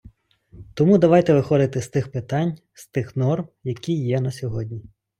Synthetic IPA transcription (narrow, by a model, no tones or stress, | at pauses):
t̪ɔmud̪ɐʋɑjt̪ɛʋɪxɔd̪ɪt̪ɪst̪ɪxpɪt̪ɑnʲ | st̪ɪxnɔrmjɐkʲijːɛnɐsʲɔɦɔdʲnʲi